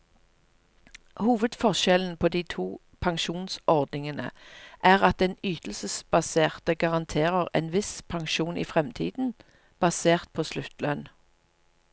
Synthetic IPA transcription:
huːʋəd̪fɔʃɛln̩pʰoːd̪iːt̪ʰuː | pʰɑŋʃuːnsʔɔʁd̪nɪŋənə̰ʔæːʁɑt̪̚d̪ɛnyːt̪l̩səsb̥ɑseːʁt̪əɡɑʁɑnt̪ʰeːʁəʁḛːnʋɪspʰɑŋʃuːnʔḭːfʁɛmt̪ʰḭːd̪n̩ | b̥ɑseːʁt̪̚pʰoːslʉt̪lœn

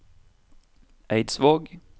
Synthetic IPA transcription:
ʔæɪd̪sʋoːɡ

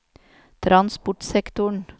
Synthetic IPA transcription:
t̪ʰɾʔɑnspʊʈsɛkt̪ʊɳ

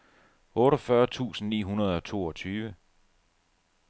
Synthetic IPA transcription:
ɔ̽ːɾɒfɶɐt͡sʰṵːsn̩nḭːɦunɐð̞̩ˠɒ̽t͡sʰo̝̰ːɒt͡sʰyːʋə

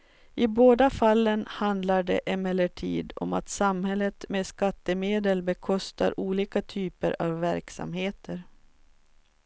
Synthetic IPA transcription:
ɪboːd̪afalːənhand̪laɖɛ̰ʔɛmɛlːəʈʰḭːd̪ɔ̰mat̪samhɛlːət̪meːd̪skat̪ːəmeːd̪əlbɛkʰɔst̪ʰa̰ɾʔuːliːkat̪ʰyːpə̰ɾavːæɾksa̰mheːt̪ʰəɾ

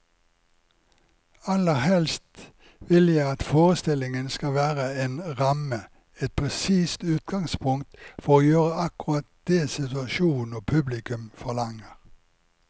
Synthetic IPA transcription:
ɑləʁhɛlst̪ | ʋɪljæɪɑt̪foːʁəst̪ɪlɪŋənskɑʋæːʁəeːnʁɑmə | ɛt̪̚pʰʁɛsiːst̪ʉːt̪̚ɡɑŋspʰʊŋt̪fɔʁoːjøːʁəɑkʊʁɑt̪̚d̪̥eːsɪt̪ʉɑʃuːn̩oːpʰʉblɪkʉmfɔʁlɑŋəʁ

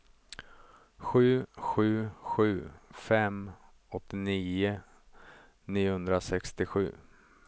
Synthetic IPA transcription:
ɧʉ̟ːɧʉ̟ːɧʉ̟ːfɛm | ɔt̪ːɪniːʊ | niːʊhɵnd̪ɾasɛkst̪ɪɧʉ̟ː

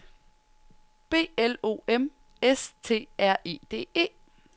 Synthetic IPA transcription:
b̥e̝̰ːelo̝̰ːem | est͡sʰe̝̰ːæɐ̰ʔe̝̰ːd̥e̝̰ːe̝̰ː

